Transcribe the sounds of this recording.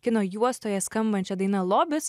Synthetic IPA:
kʲɪnoːjuɔst̪oːjɛskɐmbɐnʲt͡ʃʲɛd̪ɐɪnɐlˠoːbʲɪs

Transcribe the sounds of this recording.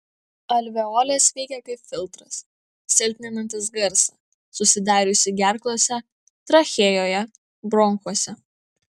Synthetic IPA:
ɐlʲʋʲɛoːlʲeːsʋʲɛɪkʲɛkɐɪpʲfʲɪlˠt̪ɾɐs | sʲɪlʲt̪ʲnʲɛnɐnt̪ɐs̬ɡɐɾsɐ | sʊsʲɪd̪ɑːɾʲʊsʲɪɡʲæˑɾklˠoːsʲɛ | t̪ɾɐxʲeːjoːjɛ | bɾɔŋkuɔsʲɛ

